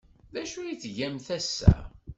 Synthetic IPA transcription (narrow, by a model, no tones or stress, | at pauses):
ðæʃujiθʝæmθæsːæ̰